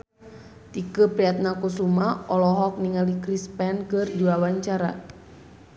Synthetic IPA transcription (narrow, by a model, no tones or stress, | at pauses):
t̪ikəpɾiat̪̚nakusumaɔlɔɦɔk̚niŋalikɾispɛnkɨrdiwawaɲt͡ʃaɾa